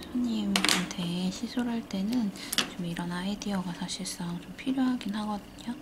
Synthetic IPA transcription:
sʰaɲimt͡ɕomtʰe̞ɕʰisʰoɾɦaɭt͈e̞nɯnt͡ɕomiɾʌnaediʌɡasʰaɕʰiɭs͈ʌt͡ɕompʰiɾjoɦaɡinhaɡʌdɯɲo

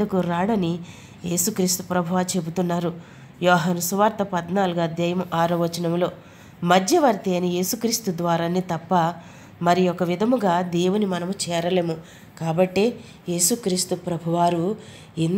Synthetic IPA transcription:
ɐkuɾaːɽɐni | je̞ːsukɾiːst̪u̥pɾɐbʱuʋaːt͡ʃe̞but̪unːaːɾu | jɔːɦɐnɐsuʋaːɾt̪ɐpɐd̪naːluɡɐd̪jɐjɐmʔaːɾɐʋɐt͡ʃɐnɐmlo̞ː | mɐd̪ʱjɐʋɐɾt̪eːɐnije̞ːsukɾiːst̪ud̪ʋaːɾaːnit̪ɐpːɐ | mɐɾijɔkɐʋid̪ʱɐmuɡaːd̪eːwunimɐnɐmut͡ʃɛːɾɐleːmu | kaːbɐʈːeː | je̞ːsukɾiːst̪upɾɐbʱuʋaːɾu | in

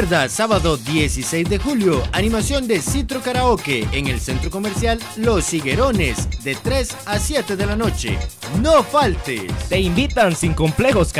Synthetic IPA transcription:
ɾðasaβaðoðjesisejzðe̞xuljoanĩmasjo̞nd̪e̞sit̪ɾokaɾaokeeŋelsent̪ɾoko̞meɾsjalːo̞siɣe̞ɾo̞nezd̪et̪ɾe̞s | asje̞t̪eðe̞lano̞t͡ʃḛ | nofalt̪ḛt̪e̞imbit̪aŋsiŋko̞mple̞xosk

